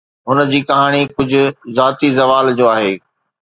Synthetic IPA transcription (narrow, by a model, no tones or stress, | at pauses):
ɦʊnd͡ʑiːkɐɦaːɽ̃ikʊd͡ʑʱʊ̆zaːt̪izɐʋaːld͡ʑoːaːɦeː